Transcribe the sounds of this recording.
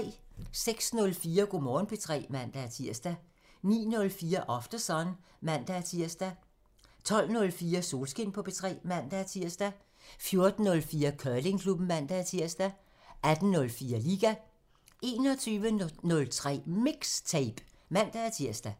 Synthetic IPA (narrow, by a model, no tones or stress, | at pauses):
seɡ̥snɔ̽lfiːɐɡ̥o̝mɒːn̩pʰe̝t͡sʰʁɛ̰ːmæn̰d̥ææt͡sʰiɐ̰sd̥æ | nḭːnɔ̽lfiːɐʔɒ̽fd̥ɐsɒn | mæn̰d̥ææt͡sʰiɐ̰sd̥æ | t͡sʰɒ̽l̰nɔ̽lfiːɐso̝ːlsɡ̥e̝n̰pʰɒ̽pe̝t͡sʰʁɛ̰ːmæn̰d̥æt͡sʰiɐ̰sd̥æ | fjo̝ɐd̥n̩ːɔ̽lfiːɐkʰœːle̝ŋkʰlub̥n̩mæn̰d̥ææt͡sʰiɐ̰sd̥æ | æd̥n̩ːɔ̽lfiːɐliːɡ̥æ | e̝̰ːnɒ̽t͡sʰyːʋənɔ̽lt͡sʰʁɛ̰ːmiɡ̥st͡sʰeɪb̥ | mæn̰d̥æt͡sʰiɐ̰sd̥æ